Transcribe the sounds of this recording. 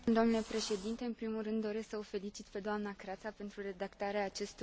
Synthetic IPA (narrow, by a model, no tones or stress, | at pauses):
d̪oomnule̞pɾe̞ʃe̞d̪int̪e̞ɨnpɾimulrɨnd̪ːo̞ɾe̞sksəofe̞lit͡ʃit̪pe̞d̪oamnakɾat̪sape̞nt̪ɾure̞d̪akt̪aɾeaːt͡ʃe̞st̪